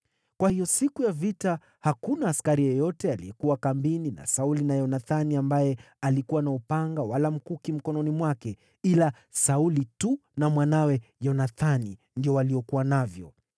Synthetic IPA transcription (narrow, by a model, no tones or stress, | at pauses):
kwahijɔsikujavita | hakunaːskaɾijɔjɔtɛalḭɛkuwakambinina̰saulinajɔnaθaniambajɛ | alikuwanaupaŋɡawalam̩kukim̩kɔnɔnimwakɛ | ila | saulitunamwanawɛjɔnaθani | ndiɔwaliɔkuwanavjɔ̰